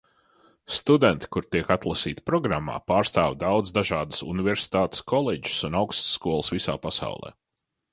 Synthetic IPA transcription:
st̪ud̪ɛnt̪i̥kuɾt̪iɛkat̪lˠɐsiːt̪i̥pɾɔɡɾamːa̰ːpaːɾst̪aːvd̪awd̪zd̪aʒaːd̪əsṵnivɛɾsi̥t̪aːt̪ɪ̥skʰɔlˠed͡ʒi̥sunawkst̪sːkuɔlˠəsvisa̰ːpasa̰wlˠɛ̰ː

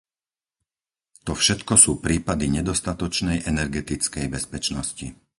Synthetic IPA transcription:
t̪ɔfʃɛt̪kɔsuːpɾiːpad̪iɲɛd̪ɔst̪at̪ɔt͡ʃnɛjʔɛnɛɾɡɛt̪it͡skɛjbɛspɛt͡ʃnɔscḭ

